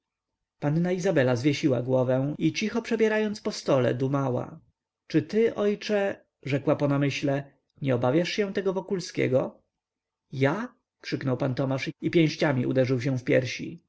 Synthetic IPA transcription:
panːaizabɛlazvʲjɛɕiwaɡwɔvɛ̃it͡ɕixɔpʂɛbʲjɛɾajɔnt̪spɔst̪ɔlɛ̰d̪umawa̰ | t͡ʂɘt̪ɘʔɔjt͡ʂɛ | ʐɛkwapɔnamɘɕlɛ | ɲɛɔbavʲjaʂɕɛ̃w̃t̪ɛɡɔvɔkulskʲɛ̰ɡɔ | ja | kʂɘknɔwpant̪ɔmaʂipʲjɛ̃w̃ɕt͡ɕamʲiʔṵd̪ɛʐɘwɕ̬ɛ̃fpʲjɛɾɕḭ

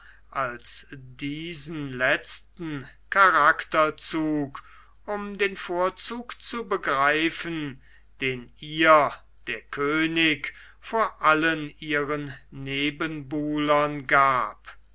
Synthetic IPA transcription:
ʔalsdiːzən̩lɛt͡stn̩kʰaʁaktɐt͡suːk | ʔʊmdeːnfoːɐt͡suːkt͡subəɡʁaɪfən | d̥eːniːɐ | d̥eːɐkʰøːnɪk | foːɐʔalənʔiːʁənːeːbənbuːlɐnɡaːp

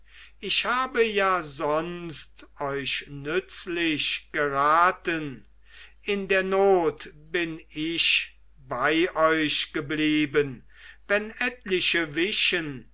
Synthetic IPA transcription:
ʔɪʃhaːbəjaːzɔnstʔɔʏʃnʏt͡slɪɕɡ̥əʁaːtən | ʔɪndeːɐnoːtb̥ɪnɪʃ | baɪʔɔʏʃɡ̥əbliːbən | vɛnɛtlɪʃəvɪʃən

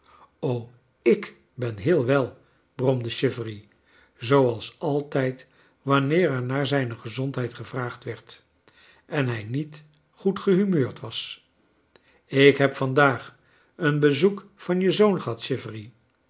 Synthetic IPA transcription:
ow | ɪk | bɛnɦɪːlˠʋɛlˠ | b̥rɔmdəʃɪfri | zowɑlˠsɑlˠtɛjt | ʋɑnɪːɾɛɹnaːɹzɛjnəχəzɔntɦɛjtχəvraːχtʋɛɹt | ɛnɦɛjnit | χutχəɦymøːɹtʋɑs | ɪkɦɛpfɑndaːχ | ənbəzukfɑnjəzownχəɦɑtʃɪfəri

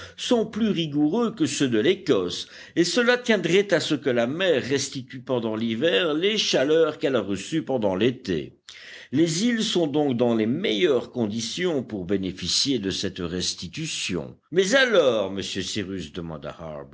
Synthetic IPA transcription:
sɔ̃plyʁiɡuʁøkəsød̪əlekɔs | esəlat̪jɛ̃d̪ʁɛt̪asəkəlamɛʁːɛst̪it̪ypɑ̃d̪ɑ̃livɛːʁleʃalœʁkɛlaʁəsypɑ̃d̪ɑ̃let̪ḛ | lezilsɔ̃d̪ɔ̃kd̪ɑ̃lemejœʁkɔ̃d̪isjɔ̃puʁbenefisjed̪əsɛt̪ʁɛst̪it̪ysjɔ̰̃ | mɛzalɔːʁməsjøsiʁysd̪əmɑ̰̃d̪a̰ha̰ʁb

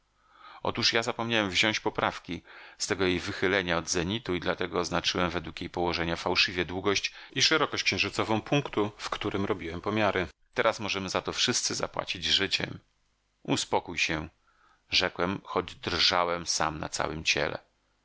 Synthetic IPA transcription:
ɔ̰t̪uʂjazapɔmɲawɛmvʑɔ̃w̃ɕt͡ɕpɔpɾafkʲist̪ɛɡɔjejvɘxɘlɛɲaɔd̪zɛɲit̪uid̪lat̪ɛɡɔːznat͡ʂɘwɛmvɛd̪wukjejpɔwɔʐɛɲafawʂɘvʲjɛd̪wuɡɔɕt͡ɕiʂɛɾɔkɔɕt͡ɕkɕɛ̃w̃ʐɘt̪sɔvɔ̃w̃puŋkt̪ufkt̪uɾʔɘmɾɔbʲiwɛmpɔmʲjaɾʔɘt̪ɛɾasmɔʐɛmɘzat̪ɔfʂɘst̪sɘza̰pwa̰t͡ɕid͡ʑzʐɘt͡ɕɛ̰m | uspɔkujɕɛ | ʐɛkwɛmxɔd͡ʑd̪ɾʐawɛmsa̰mna̰t̪sa̰wɘmt͡ɕɛ̰lɛ̰

